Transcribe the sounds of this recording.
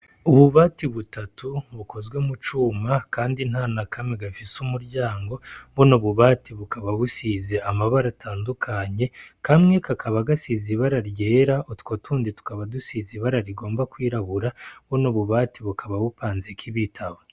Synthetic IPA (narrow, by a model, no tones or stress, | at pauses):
uβuβaːtiβutatuβuko̞zɡwe̞mut͡ʃuːmakaːndinhanakʰamŋeɡafisumuɾɟaːŋɡo̞βunoβuβaːtiβukaβaβusize̞ʔamaβaɾatʰaːndukʰaɲe̞kʰamŋe̞kakʰaβaɡasiziβaɾaɾje̞ːɾaotko̞tʰuːnditu̥kaβadusiziβaɾaɾiɡo̞ːmbakwiːɾaβuɾaβunoβuβaːtiβukʰaβaβupaːnzekʰiβitʰaβo